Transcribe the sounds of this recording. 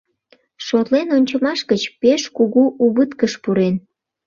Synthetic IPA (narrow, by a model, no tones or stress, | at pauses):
ʃot̪lenonʲt͡ɕəmɑʃkət͡ɕpeʃkuɣuʔuβət̪kəʃpuɾen